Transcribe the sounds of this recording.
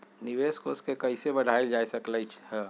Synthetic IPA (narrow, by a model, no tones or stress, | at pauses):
niʋeskoskekəɪsebəɽ̤ʱajld͡ʒajsəkləjt͡ʃʰhə